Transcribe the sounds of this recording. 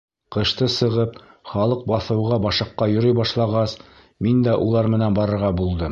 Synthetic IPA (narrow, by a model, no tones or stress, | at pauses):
qɤ̆ʃt̪ɤsɤ̆ʁɤpχɑlˠɤq̚bɑθɤ̆wʁɑbɑʃɤ̆qːɑjɵ̆ɾɵjbɑʃlˠɑʁɑs | mind̪æʔulˠɑɾmɘ̆nænbɑɾɤ̆ɾʁɑbulˠd̪ɤ